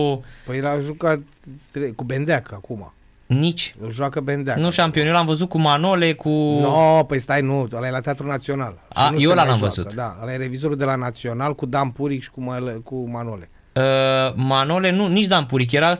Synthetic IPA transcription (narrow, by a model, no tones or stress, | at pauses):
pəjelaʒukat̪ː | ɾekube̞nd̪eakəakuma̰ | nit͡ʃʲɨlʒwakəbend̪eanuʃampionjelamvəzut̪̚kumanole̞kʰunopəjst̪ajnuəlajelat̪eat̪ɾunat̪sio̞nala̰nujeolanamvə̰zṵt̪d̪aəlajeɾe̞vizo̞ɾud̪e̞lanat̪sio̞nalkud̪ampuɾikʃi̥kumalekumanole | əmano̞le̞nunit͡ʃʲd̪ampuɾik̬jeɾas